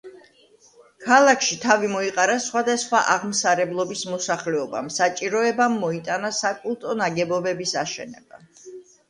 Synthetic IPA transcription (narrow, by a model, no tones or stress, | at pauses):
kʰalˠakʰʃit̪ʰavimɔiqʼaɾasχwad̪asχwaʔaʁmsaɾɛblˠɔbismɔsaχlɛɔba̰msat͡ʃʼiɾɔɛbamːɔit̪ʼanasakʼulˠt̪ʼɔnaɡɛbɔbɛbisaʃɛ̰nɛba̰